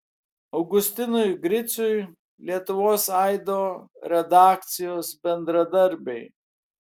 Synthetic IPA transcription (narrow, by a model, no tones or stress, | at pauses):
ɐʊɡʊsʲt̪ʲɪnʊjɡɾʲɪt̪sʊj | lʲiɛt̪ʊʋoːsɑɪd̪oːɾʲɛd̪ɑːk̚t̪sʲɪjoːsbʲɛnd̪ɾɐd̪ɐɾʲbʲɛɪ